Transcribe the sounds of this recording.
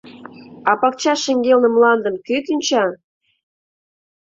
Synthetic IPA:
ɑpɑk̚t͡ɕɑʃeŋɡelnə̆mlɑnd̪ə̆mkyt̪ynʲt͡ɕɑ

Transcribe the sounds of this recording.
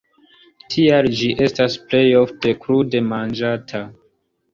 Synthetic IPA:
tʰiald͡ʒiʔe̞stasple̞jo̞fte̞kɾude̞mand͡ʒatʰa

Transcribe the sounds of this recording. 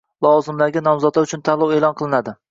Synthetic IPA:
lˠɒwɒzɪmlaɡʲɪnɒmzɒd̪laʊt͡ʃʰʊnt̪ʰalˠɒwe̞lˠɒnqʰɨlˠɪnad̪ɪ

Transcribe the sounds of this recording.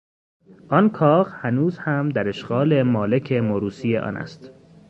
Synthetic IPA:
ʔɒnkʰɒːɣhænuːzhæmd̪æɾe̞ʃɢɒːle̞mɒːle̞cʰe̞moɾuːsijḛʔɒ̰ːnʔæ̰st̪

